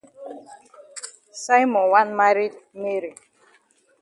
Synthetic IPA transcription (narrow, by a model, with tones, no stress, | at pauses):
sa˦jmɔ˨nwa˦nma˦ɾi˦dme˦ɾi˨